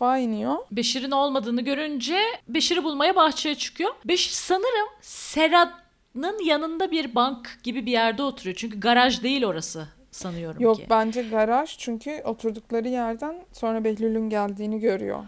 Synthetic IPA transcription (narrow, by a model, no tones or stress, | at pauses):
fainijobe̞ʃiɾino̞lˠmad̪ɯːnɯɟø̞ɾynd͡ʒɛbe̞ʃiɾibulˠmajabaxt͡ʃʰajat͡ʃʰɯ̥kʰɯjo̞beʃiɾsanɯɾɯmse̞ɾad̪ | nɯnjanɯnd̪abiɾbaŋkɟ̥ibibijæɾd̪ɛo̞t̪ʰuɾujo̞t͡ʃʰyɲcʰyɡaɾaʒd̪e̞jilʲo̞ɾasɯ | sanɯjo̞ɾumjokbænd͡ʒɛɡaɾaʒt͡ʃʰyɲcʰyʔo̞t̪ʰuɾd̪uklˠaɾɯjæɾd̪ænso̞nɾabɛçlʲylʲynɟælʲd̪iːniɟø̞ɾy̰jo̰